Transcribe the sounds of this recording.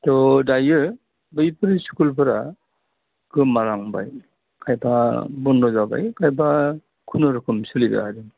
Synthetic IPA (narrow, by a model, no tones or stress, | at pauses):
tɔdajɯ | bɯjpʰɯɾiskulpʰaɾa | kʰɯmaɾaŋba̰j | kʰajpʰabɔndɔzaba̰jkʰajpʰa | kʰunɯɾɯkʰɯmsɯliba̰aɾɯ